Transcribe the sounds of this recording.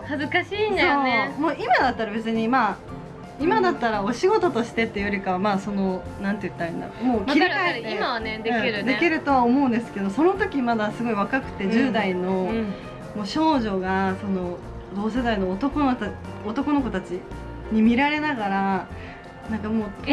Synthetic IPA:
hazɨkaɕiːnd̪ooːemoːimad̪at̪ːaɾabe̞t͡sɨɲ̟ima | imad̪at̪ːaɾao̞ɕiɡo̞t̪o̞t̪o̞ɕi̥t̪e̞t̪ːejoɾʲikaβamaːso̞no̞ | nãnt̪e̞jɯ̟t̪ːaɯnːa̰mo̞ːkkiɾiaeemaβaned̪ẽiɾɯd̪e̞kʲiɾɯ̟t̪o̞βaomoɯ̟̃nd̪e̞sɨ̥ke̞d̪o̞so̞no̞t̪o̞kʲimad̪asɨɡo̞iβakakɯ̟̥t̪e̞d͡ʑɨːd̪aino̞ | mo̞ːɕo̞ːʑo̞ɡaso̞no̞ | d̪o̞ːs̬e̞d̪aino̞ːt̪o̞konoot̪o̞ko̞no̞ko̞t̪at͡ɕi | ɲ̟imʲiɾaɾe̞naɡaɾa | nãŋkamoː

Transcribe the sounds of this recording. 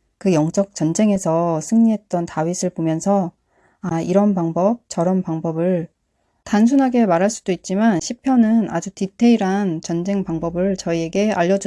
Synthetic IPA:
kɯjʌŋt͡ɕ͈ʌk̚t͡ɕʌnd͡ʑe̞ŋe̞sʰʌsʰɯŋɲiɦe̞t̚t͈ʌntawɥisʰɯɭpomjʌnsʰʌ | aiɾʌnpaŋbʌp̚t͡ɕʌɾʌnpaŋbʌbɯɭ | tans̬ʰunɦaɡemaɾɦaɭs͈udoit̚t͡ɕ͈imanɕʰipʰjʌnɯna̰d͡ʑutitʰe̞iɾant͡ɕʌnd͡ʑe̞ŋpaŋbʌbɯɭt͡ɕʌie̞ɡe̞aʎːʌd͡ʑu

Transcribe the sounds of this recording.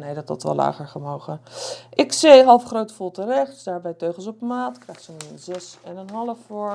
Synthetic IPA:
nejdɔtɔ̰tʋɔ̰lla̰ːχəɹfəmowχəʔɪksejɦɑlˠfχrowtfolˠtərɛχtdsdaːɹbɛjtøɥχəl̩sɔpmaːtkrɛjχtsənənzɛsɛnənɦɑlˠəfʊɹ

